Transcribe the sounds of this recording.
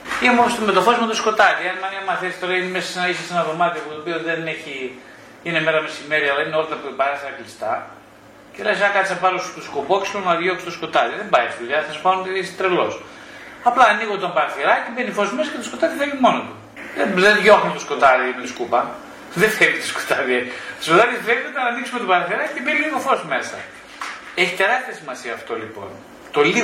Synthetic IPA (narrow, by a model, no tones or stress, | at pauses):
imosomet̪ofozmot̪osko̞t̪ɐðiɐnmɐniɐmɐθeist̪oɾɐinemesɐsenɐisɐsenɐðo̞mɐt̪iɐput̪opiot̪ðeneçi | ʝineme̞ɾɐme̞simeɾiɐlɐineo̞lɐt̪ɐpupɐɾɐst̪ɐklist̪ɐ | celɐsɐkɐt̪isɐpɐɾost̪uskupokslonɐðʝokst̪osko̞t̪ɐðiðembɐjifilɐsɐspɐont̪ist̪ɾelo̞s | ɐplɐːniɣot̪ombɐɾɐθiɾɐcibenifozmesɐcet̪osko̞t̪ɐðifelimo̞not̪u | ðeðeðʝo̞xumet̪osko̞t̪ɐðimeskupɐ | ðefelit̪o̥sko̥t̪ɐðiet̪oskot̪ɐðisfelit̪uɐnɐniksumet̪obɐɾɐθiɾɐcicebiiliɣo̞fo̞sme̞sɐ̰ | eçi̥t̪e̞ɾɐst̪eɾɐsimɐsiɐːft̪o̞lipo̞̰n | t̪o̞li